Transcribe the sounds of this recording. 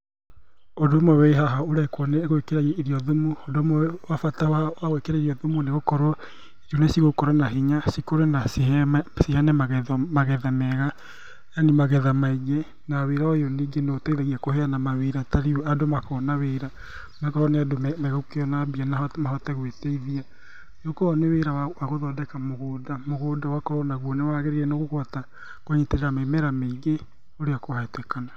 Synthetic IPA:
odomowɛiɦaɦaoɾakwɔneɣwekeɾaiɾiɔðomuodomwafatawawaɣwekeɾeɾiɔðomuneɣokɔɾɔ | eɾjɔnesiɣokɔɾanaɦiɲasikoɾenasisihanɛmaɣɛmaɣɛðamɛɣa | janimaɣɛðamaiɡe | naweɾaojoniːɡeneotɛiðaɣiakoɦeanamaweɾataɾioadomakɔːnaweɾa | makaɔneadomɛmɛɣokeɔnabianahɔmaɦɔtɛɣweteiðia | jokɔɔneweɾaawaɣoðɔdɛkamoɣoːdamoɣoːdawakɔnaɣwɔnewaɣeɾeɾɛnoɣoɣɔata | koɲiteɾeɾamemɛɾameiɡe | oɾeakoaetɛkana

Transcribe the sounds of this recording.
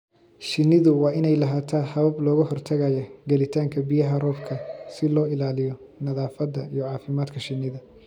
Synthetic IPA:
ʃɪnːɪðʊwɑːɪnɛjlɐɦaːt̪ʰaːhɐβɐblɔːɣʊɦɔrt̪ʰɐɣɐjɐɡɐlɪt̪ʰaːŋkʰɐbijɐɦɐrɔːbkʰɐsɪlɔːɪlaːlɪjɔnɐðaːfɐd̪ɐijɔʕɑːfɪmaːd̪kʰɐʃɪnːɪðɐ

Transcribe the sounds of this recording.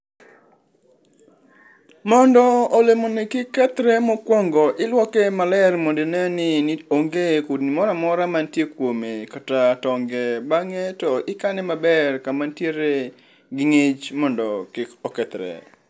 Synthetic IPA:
mɔndɔːlemonɪkɪkːɛt̪ɾɛmɔkwɔŋɡɔʔɪlwɔkɛmalɛrmondɪnɛnɪnɪoŋɡekudnɪmɔɾamɔɾamantjekwomekatatɔŋɡɛbaŋɛtɔɪkanɛmabɛrkamantjeɾe | ɡɪŋet͡ʃmɔndɔkɪkɔkɛt̪ɾɛ̰

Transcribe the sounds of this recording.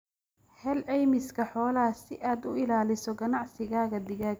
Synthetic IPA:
hɛlʕɛjmɪskʰɐħɔːlɐsɪʔaːd̪ʊɪlaːlɪsɔɡɐnɑʕsɪɣaːɣɐd̪ɪɣaːɡ

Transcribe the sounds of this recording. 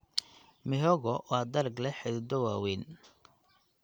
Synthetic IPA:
mɪɦɔɣɔwʔɑːd̪ɐɾɡlɛħɪdd̪ɔwaːwɛːn

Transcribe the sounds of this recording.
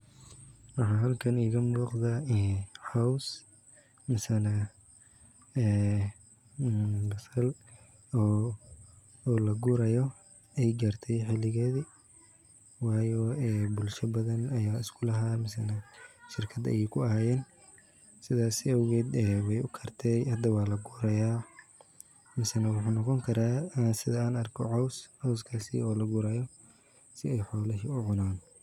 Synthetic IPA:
wɑħɑːɦɐlkʰɐniːɣɐmuːqðaːɛːħaws | mɐsɐna | ɛː | bɐsɐl | ɔː | ɔːlɐɡʊɾɐjɔ | ʔɛjɡaːrt̪ʰɛjħɪlɪɣɛːði | wɑːjɔɛːbʊlʃɐbɐðɐnɐjaːɪskʰʊlɐɦaːmɐsɐnɐʃɪrkʰɐd̪ɐ̰jɛjkʰʊɐhaːjɛːn | sɪðaːsɪɐwɣɛːd̪ɛːwɛjʊkʰɐrt̪ʰɛjhɐd̪ɐwɑːlɐɡuːɾɐjaː | mɐsɐnɐwɑħuːnɔqɔŋkʰɐɾaːasɪðɐaːnɐrkʰɔʕɔwsʕɔwskʰaːsḭɔːlɐɡʊɾɐjɔ | sɪɛjħɔːlɐʃɪʊʕʊnaːn

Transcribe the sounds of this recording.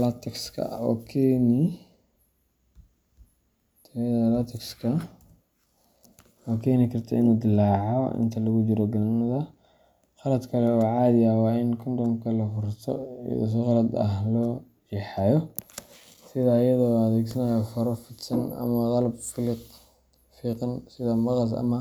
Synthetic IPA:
lɐt̪ʰɐkskʰɐ̰ɔ̰ːkʰɛːnɪ | t̪ʰɐðlat̪ʰɐkskʰɐ | ɔːkʰɛːnɪkʰɐrt̪ʰɐ̰ɪ̰nuːd̪ɪlaːʕɔɪ̰nt̪ʰɐlɐɣʊd͡ʒɪɾɔɡɐnɐðɐ | χɑlɐd̪kʰɐlɛɔːʕɑːd̪jaːwaːɪnkʰʊnd̪ɐŋkʰɐlɐfʊɾt̪ʰɔ̰ḭṵs̬ɔqɑlɐd̪ɐ̰hlɔː | jɛħɑjɔ | sɪðaːjɐðɔɔɐðɛːɡsɐnajɔfɐɾɔfɪt̪sɐnɐ̰mɐqɑlɐbfɪlɪt | fiːqɑnsɪðɐmɑqɑs̬ɐ̰mɐ

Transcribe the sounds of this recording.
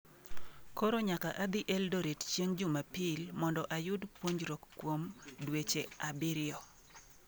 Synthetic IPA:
koɾoɲakaʔad̪ɪʔɛldoɾett͡ʃjeŋd͡ʒʊmapɪlmɔndɔʔajʊdpwoɲɾɔkkːwomdwet͡ʃeabɪɾɪɔ

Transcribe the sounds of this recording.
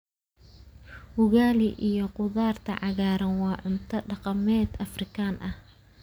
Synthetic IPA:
hʊɣaːlɪʔijɞqʊðaːrt̪ʰɐ̰ʕɑɣaːɾɐnwɑːʕʊnt̪ʰɐɖɑqɑmɛːd̪ɐfrɪkʰaːnʔɐh

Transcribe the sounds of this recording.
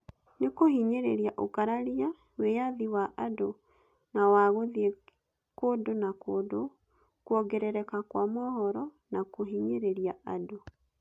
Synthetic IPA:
nekohiɲeɾeɾiaʔokaɾaɾia | wejaðiwaʔado | nawaɣoðie | koːdonakoːdo | kwɔɡɛɾɛɾɛkakwamɔhɔɾɔ | nakoɦiɲeɾeɾiaado

